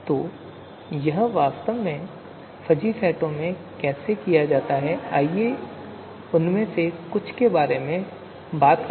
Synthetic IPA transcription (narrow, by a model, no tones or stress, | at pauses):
t̪oː | jɐɦʋaːst̪əʋmẽ | fɐd͡ʒifɛːʈõmẽ | kɛːsekijad͡ʒaːt̪aɦɛaːie | ʊnmẽsekʊt͡ʃʰkebaːɾemẽ | baːt̪k